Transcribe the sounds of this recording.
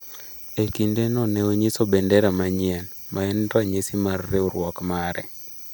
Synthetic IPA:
ekindenɔnɛoɲisobɛndɛɾamaɲɪɛn | mʔaɛntɔaɲesimarːeoɾwɔkmaɾɛ

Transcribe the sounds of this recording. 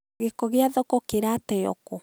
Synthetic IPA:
ɣekɔɣeaðɔkɔkeɾatɛjɔ̰ko

